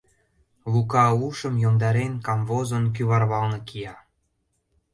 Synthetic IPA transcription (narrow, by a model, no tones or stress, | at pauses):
lukɑuʃə̆mjomd̪ɑɾenkɑmvozənk̬yβɑrβɑlnɤ̆kijɑ